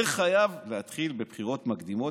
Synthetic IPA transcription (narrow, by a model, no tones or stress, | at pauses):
χajavlehat̪χilbepχiʁo̞t̪makd̪imo̞